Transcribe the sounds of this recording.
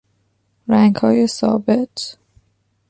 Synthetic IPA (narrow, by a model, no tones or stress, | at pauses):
ɾæŋɡhɒːjesɒ̰ːbe̞t̪ʰ